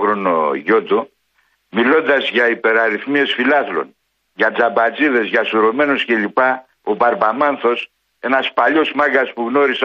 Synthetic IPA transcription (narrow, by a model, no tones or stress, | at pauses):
ɣɾono̰ʝo̞t̪u | milo̞nd̪ɐzʝɐipe̞ɾɐɾiθmie̞sfilɐθlo̞̰n | ʝɐd͡zɐbɐt͡siðe̞zʝɐsuɾo̞me̞nosce̞ʎipɐ | o̞bɐɾbɐmɐnθo̞s | e̞nɐspɐʎo̞smɐɡɐspuɣno̞ɾis